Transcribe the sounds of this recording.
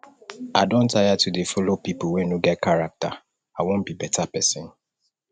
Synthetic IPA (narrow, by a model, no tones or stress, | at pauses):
adõntʰajatʰudefɔlopipowɛ̃nuɡɛt̚kaɹak̚ta̰ | awõnbibɛtapɛsɪ̃n